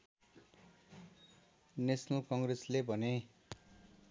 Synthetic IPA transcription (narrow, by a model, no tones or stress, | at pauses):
nesnokʌŋɡreslebʱʌne